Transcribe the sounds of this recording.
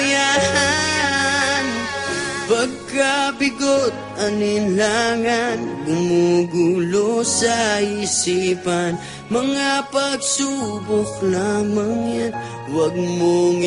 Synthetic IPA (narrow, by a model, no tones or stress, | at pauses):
jaha | n | pɐɡ̚kabɪɡot̪̚ɐniɪnlaŋanɡʊmoɡulosɐisipan | mɐŋapɐɡ̚subok̚lamaŋjan | wɐɡ̚moŋ